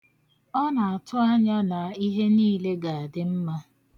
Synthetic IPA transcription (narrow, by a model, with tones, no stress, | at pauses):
ɔ˦na˨a˨tʰʊ˦a˦ɲa˦na˨i˦ɦe˦niː˦le˦ɡa˨a˨dɪ˦m̩˦ma˦